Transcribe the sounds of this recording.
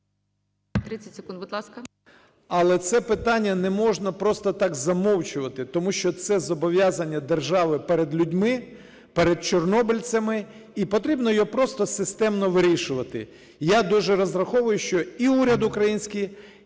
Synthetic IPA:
t̪ɾɪt͡sʲɛtʲsʲɪkund̪bʊd̪lˠɑskɐ | ɐlˠɛt̪sɛpɪt̪ɑnʲːɐnɛmɔʒnɐpɾɔst̪ɔt̪ɑɡzɐmɔwt͡ʃʊʋɐt̪ɪt̪ɔmuʃt͡ʃɔt̪sɛzɔbɔʋʲjazɐnʲːɐd̪erʒɑʋɪpɛɾed̪lʲudʲmɪ | pɛɾed̪̚t͡ʃɔrnɔbɪlʲt͡sʲɐmɪ | ipɔt̪ɾʲibnɔjɔpɾɔst̪ɔsɪst̪ɛmnɔʋɪɾʲiʃʊʋɐt̪ɪ̰ | jad̪uʒɛɾɔzrɐxɔʋʊjʊʃt͡ʃɔiuɾʲɐd̪ʊkɾɐjinʲsʲkij

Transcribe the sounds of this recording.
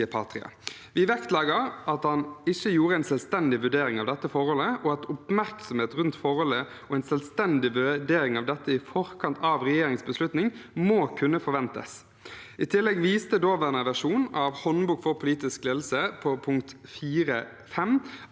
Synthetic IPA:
pʰɑ̰ːt̪ɾɪɑ̰ | ʋɪʋɛkt̪lɑːɡəɾɑt̪hɑnɪçːəjuːɾəæɪnsɛlst̪ɛnd̪ɪʋʉɖeːɾɪŋɑʋd̪ɛt̪ːəfɔɾhɔləʔɔɑt̪ɔpmæɾksɔmheːt̪ʁʉnt̪fɔʁhɔlə | ɔæɪnsɛlst̪ɛnd̪ɪʋʉɖeːɾɪŋɑʋd̪ɛt̪ːəɪfɔɾkʰɑnt̪ʰɑːʋʁɛjeːɾɪŋsbəslʉt̪nɪŋmoːkʰʉnːəfɔɾʋɛnt̪ə̰s | ʔɪt̪ʰɪlːɛɡʋiːst̪əd̪oːʋæʁnəʋæʂuːnɑʋhɔnbuːɡfɔɾpʰʊliːt̪ɪskleːd̪l̩səpʰɔpʰʊŋkt̪fiːɾə | fɛm

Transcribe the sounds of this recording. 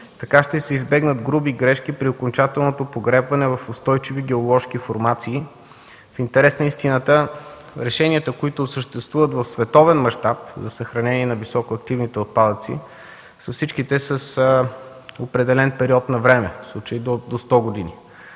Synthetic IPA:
t̪ɐkaʃt̪ɛsɛizbɛɡnəd̪ɡɾubiɡɾɛʃk̟ipɾiokont͡ʃat̪ɛlˠnot̪opoɡɾɛpvɐnɛvɐfost̪ɔjt͡ʃiviɡɛolˠɔʃk̟ifoɾmat̪siː | fint̪ɛɾɛsnəist̪inət̪ə | ɾɛʃɛnʲiət̪əkoit̪osəʃt̪ɛst̪vuvət̪vɐfsvɛt̪ɔvɛnmɐʃt̪ap̚zɐsəxɾɐnɛniɛnɐvisɔkoɐkt̪ivnit̪ɛot̪̚pad̪ət̪sḭ | sɐfsit͡ʃkit̪ɛsəs | opɾɛd̪ɛlɛnpɛɾiɔt̪nɐvɾɛmɛfslˠut͡ʃəid̪od̪ost̪ɔɡod̪inḭ

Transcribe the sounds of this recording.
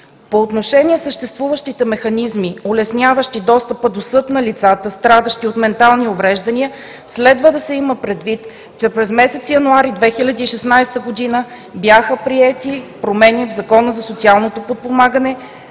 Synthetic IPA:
poːt̪noʃɛniɛsəʃt̪ɛst̪vuvəʃt̪it̪ɛmɛxɐnizmiolɛsnʲavəʃt̪id̪ɔst̪əpəd̪osɤt̪nɐlit̪sat̪əst̪ɾad̪əʃt̪iot̪mɛnt̪alˠniovɾɛʒd̪ɐniə | slɛd̪vəd̪ɐsɛiməpɾɛd̪vit̪ | t͡ʃɛpɾɛzmɛsɛt̪sijɐnuaɾid̪vɛxilʲɐd̪iːʃɛsnajst̪əɡod̪inə | bjaxəpɾiɛt̪ipɾomɛnʲivzɐkɔnəzɐsot̪sialˠnot̪opot̪̚pomaɡənɛ

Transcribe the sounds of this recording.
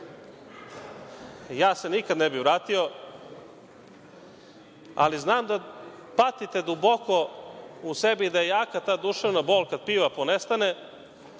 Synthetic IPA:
jaːse̞nikad̪nebiʋɾaːt̪io | a̰liznaːmd̪apat̪it̪e̞d̪ubokousebiːd̪ajejaːkat̪aːd̪uʃeʋnaboːlˠkad̪̥̚piːʋaponest̪ane

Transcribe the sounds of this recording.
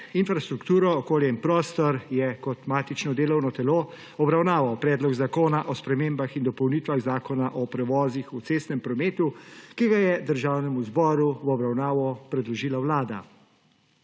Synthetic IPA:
infɾast̪ɾukt̪uːɾɔːkoːljɛinpɾɔːst̪ɔɾjɛkɔt̪maːt̪it͡ʃnɔd̪eːlɔwnɔt̪ɛloː | ɔbɾawnaːʋawpɾɛːd̪lɔɡzakoːnaʔɔspɾɛmeːmbaxind̪ɔpɔwniːt̪ʋaɣzaːkɔnaʔɔpɾɛʋɔːzixut̪seːst̪nɛmpɾɔmeːt̪ukiɡajɛd̪əɾʒaːwnɛmuzbɔːɾuwɔbɾawnaːʋɔpɾɛd̪lɔʒiːlawlaːd̪a̰

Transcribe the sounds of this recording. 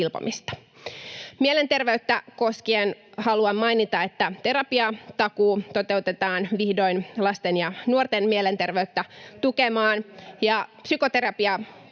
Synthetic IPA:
ilpo̰mist̪ɑ̥ | miele̞nt̪e̞rʋeyt̪ːæko̞skienhɑluɑmmɑjnit̪ɑe̞t̪ːæt̪e̞ɾɑpiɑt̪ɑkuːt̪o̞t̪e̞ut̪e̞t̪ɑːnʋihdo̞jnlɑst̪enjɑnuort̪enmiele̞nt̪e̞rʋeyt̪ːæt̪ukemɑːnjɑpsyko̞t̪e̞ɾɑpiɑ

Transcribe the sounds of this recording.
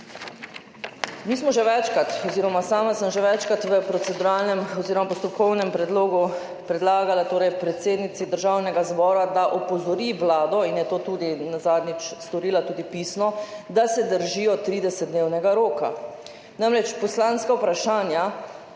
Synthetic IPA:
miːsmɔʒɛʋɛt͡ʃkat̪ɔziːɾɔmasaːmasəmʒɛʋɛt͡ʃkat̪ʋəpɾɔt̪sɛd̪uɾalnɛmɔziɾɔmapɔst̪ɔpkɔwnɛmpɾɛd̪loːɡu | pɾɛd̪laːɡalat̪oːɾɛjpɾɛt̪seːd̪nit̪sid̪əɾʒawnɛɡazbɔːɾad̪aʔɔpɔzɔɾiʋlaːd̪ɔinjɛt̪oːt̪uːd̪inazaːd̪nit͡ʃst̪ɔɾiːlat̪uːd̪ipiːsnɔd̪asɛd̪əɾʒijɔt̪ɾiːd̪ɛsɛt̪d̪neːwnɛɡaɾoːka̰ | namɾɛt͡ʃpɔslaːnskawpɾaʃaːnja

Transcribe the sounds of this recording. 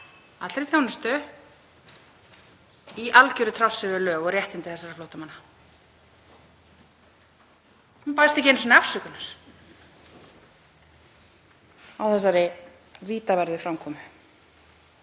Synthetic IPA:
at̪ɾiθjawnʏst̪ʏ | iʔalcœɾʏt̪ʰɾawsːɪvʏlœːɣɔrjɛht̪ɪnt̪ɪθɛsːaɾɪ̥flowht̪amanːa | hunpaːjst̪ɛhc̬ɪɛnsɔnafsʏkʏnaɾ̥ | awθɛsːaɾɪ | viːt̪avɛɾðɪfɾamkʰɔːmʏ

